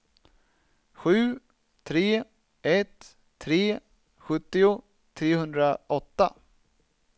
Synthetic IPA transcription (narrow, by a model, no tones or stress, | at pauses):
ɧʉ̟ː | t̪ʰɾeː | ɛt̪ʰː | ɾeː | ɧɵt̪ːɪʊ | t̪ʰɾeːhɵnd̪ɾaʔɔt̪ːa̰